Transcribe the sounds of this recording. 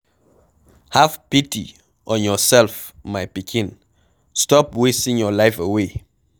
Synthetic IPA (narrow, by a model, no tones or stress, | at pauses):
havpiti | ʔɔ̃njɔsɛlfmajpikʰĩn | stɔpwestĩŋjɔlaɪfewe